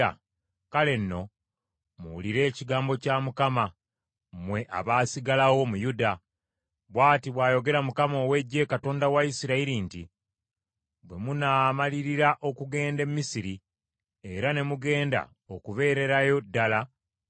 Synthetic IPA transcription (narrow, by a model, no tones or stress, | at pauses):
kale̞nːo̞ | muwuliɾe̞ːciɡaːmbo̞camukama | mwe̞ʔa̰βaːsiɡalawo̞mujuda | βwaːtiβwaːjo̞ɡe̞ɾamukamo̞ːwe̞ɟːe̞kato̞ːndawaisiɾaiɾinti | bwe̞munaːmaliɾiɾaʔo̞kuɡe̞ːnde̞mmisiɾi | e̞ɾane̞muɡe̞ːnda̰ | okuβe̞ːɾe̞ɾajo̞dːala